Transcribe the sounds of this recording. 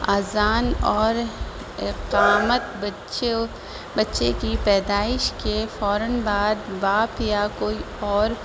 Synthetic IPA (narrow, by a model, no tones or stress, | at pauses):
aːzaːnɔːɾ | ɪqaːmət̪b | t͡ʃe | bɐtːʃekipɛːd̪aːɪʃkefɔːɾənbaːd̪baːpjakoːi | ɔːɾ